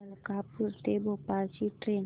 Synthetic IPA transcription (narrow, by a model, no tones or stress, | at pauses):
lkapuɾt̪ebopasiʈɾen